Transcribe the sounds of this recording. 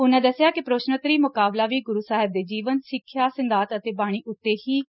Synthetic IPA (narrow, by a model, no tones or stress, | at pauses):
ʊnãːd̪əsːjaːkɪpɾoːʃnət̪ɾiːmʊkaːblaːʋiːɡʊɾuːsaːɦɪb̚d̪eːd͡ʒiːʋənsɪkʰːjaːsɪnd̪aːt̪ət̪eːbaːɽ̃iːʔʊt̪ːeːhiː